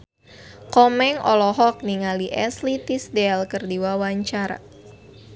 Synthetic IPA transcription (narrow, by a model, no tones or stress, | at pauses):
kɔmɛŋɔlɔɦɔk̚niŋaliʔɛslit̪isdɛlkɨrdiwawaɲt͡ʃar